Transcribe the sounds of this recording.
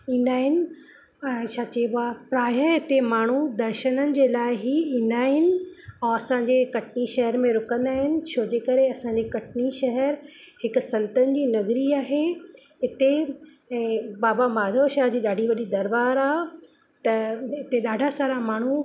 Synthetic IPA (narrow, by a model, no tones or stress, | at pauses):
ĩːn̆d̪aːɦɪnɪ̆̃ː | t͡ɕʰaːt͡ɕeːbapɾaːjəɪt̪emaːɳ̤ud̪ɐɾʃənənɪ̆d͡ʑeːlaːɪɦiĩːn̆d̪aːɦɪnɪ̆õɐsãːɲd͡ʑekɐʈniʃɐɦəɾmẽɾʊkə̃nd̪aːɦɪnɪ̆t͡ɕʰoːd͡ʑeːkɐɾeɐsãɲ̆d͡ʑekɐʈniʃɐɦəɾhɪksɐ̃nt̪ənɪ̆d͡ʑiːnɐɣɾiaːɦe | ɪt̪e | ɛ̃ːbaːbamaːd̪ʱoːʃaːɦd͡ʑiːɗaːɖʱiʋɐɗid̪ɐɾbaːɾaːɦ | t̪ɐɪt̪eɗaːɖʱasaːɾamaːɳ̤u